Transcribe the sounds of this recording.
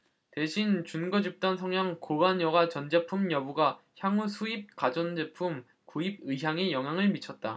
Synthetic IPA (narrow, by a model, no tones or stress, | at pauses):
te̞ɕʰint͡ɕunɡʌd͡ʑip̚t͈ʌnsʰʌŋjaŋkobanjʌɡat͡ɕʌnd͡ʑe̞pʰumjʌbuɡa | çjaŋusʰuip̚k͈ad͡ʑʌnd͡ʑepʰum | koib̚ɯɦjaŋejʌŋɦjaŋɯɭmit͡ɕʰʌt̚t͈a